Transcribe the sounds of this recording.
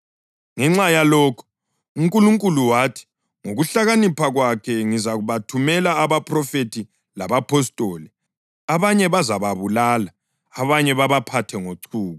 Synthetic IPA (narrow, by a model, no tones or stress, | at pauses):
ŋɛŋ͡ǁajalɔːkʰɔ̥ | uŋkʼuluŋkʼuluwaːtʰi̥ | ŋoɣuɬaɣanipʰaɣwakʰɛŋizaɣuβatʰumɛlaːβapʰʼrɔfetʰi | laβapʰɔstʼɔːlɛ | aβaɲɛβazaβaβulalaː | βaɲɛβaβapʰatʰɛŋoǀʰuːɣɔ